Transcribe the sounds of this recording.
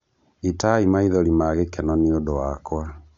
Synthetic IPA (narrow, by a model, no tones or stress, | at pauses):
itaimaiðɔɾimaɣekɛnɔneodowakwa